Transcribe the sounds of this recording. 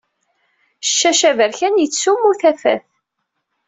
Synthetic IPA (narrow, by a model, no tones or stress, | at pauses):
ʃːæʃævəɾçænjət͡sːsːumːuθæfæ̰θ